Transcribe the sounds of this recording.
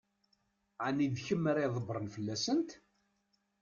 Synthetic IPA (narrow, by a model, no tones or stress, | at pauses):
ʕanid̪çəmːəɾiðˤəbɾˤənfəlːæsənt̪